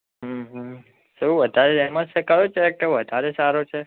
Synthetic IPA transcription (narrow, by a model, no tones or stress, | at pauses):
ɦəɦ | suʋəd̪ʱaɾeɛmãt͡ʃʰekəɾot͡ʃʰeɛk̚ʈəʋəd̪ʱaɾesaɾot͡ʃʰe